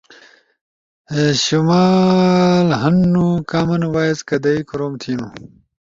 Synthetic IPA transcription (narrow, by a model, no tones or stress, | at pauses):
eɕumaːlɦɐnːukaːmɐnuwaːizkɐd̪ɐikuɾoːmt̪ʰiːnu